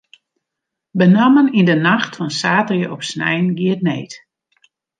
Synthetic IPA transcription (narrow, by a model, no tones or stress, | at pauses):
bənamənindənaxtfɔnsaːtərjəʔɔpsnɛ̰jnɡiət̚nḛːt